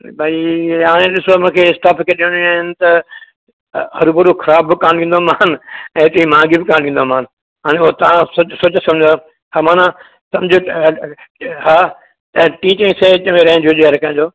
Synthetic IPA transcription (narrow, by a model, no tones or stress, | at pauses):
bʱaːiaːɽ̃ẽɗɪsomũkʰeɪsʈaːpʰkʰeɗiə̃ɽ̃iaːɦɪnɪt̪ɐ | ɦɐɾubʊɾukʰɐɾaːbːɪkaːnĩːnd̪oːmãːnɛ̃ːt̪ɐĩmãːɡibɪkaːnɗĩːnd̪oaːmaːn | ɦaːɽ̃ẽʊɦot̪ɐʋãsosoːt͡ɕsɐmd͡ʑd̪o | haːmaːnã | sɐ̃md͡ʑʱo | haː | t̪ɐʈiːt͡ɕɪ̃ŋset͡ɕɐʋẽɾɐɦɪ̃d͡ʑʱod͡ʒeɐɾkɐ̃ɪ̃ɲd͡ʑoː